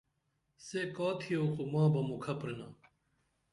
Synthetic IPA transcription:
sekaːt̪ʰijokumãːbɐmukʰɐpɾenaː

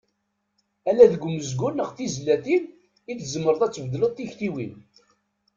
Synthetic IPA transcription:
ælæðəɡʷːʊməzɡunːəʁθizlːæθin | iθzəmːəɾəðˤæt͡sːəvəd̪ələðˤt̪ːiçt̪iwin

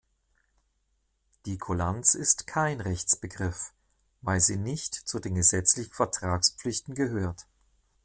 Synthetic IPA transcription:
d̥iːkʰolant͡sɪstkʰaɪnʁɛçt͡sb̥əɡʁɪf | vaɪlziːnɪçtt͡sudeːnɡəzɛt͡slɪçn̩fɛɐtʁ̥aːkspp͡flɪçtn̩ɡəɦøːɐt

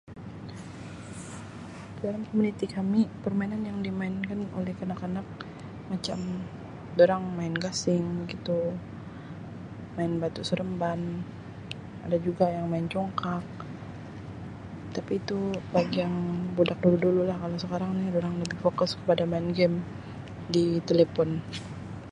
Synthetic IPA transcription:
dalamkomunit̪ikamipərmainanjaŋdimaɪnkano̰lɛhkənakanak̚ | mat͡ʃam | doɾaŋmaɪnɡasɪŋɡit̪u | maɪnbat̪usəɾəmban | a̰dad͡ʒuɡajaŋmaɪnt͡ʃɔŋkak̚ | t̪apiːt̪ubaɡiaŋbodak̚duludululahkalosəkaɾaŋnidoɾaŋləbɪhfokʊskə̥padamaɪnɡɛm | dit̪elepɔn

